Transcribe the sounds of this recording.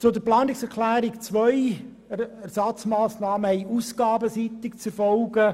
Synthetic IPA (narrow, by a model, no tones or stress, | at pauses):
t͡sʊdəɾplɑːnɪksɛɾklæːɾikt͡sʋœj | ɛɾsɑt͡smɑːsnɑːməhɛɪʔusɡ̥ɑːbəsit̪ɪkt͡sɛɾfɔlɡə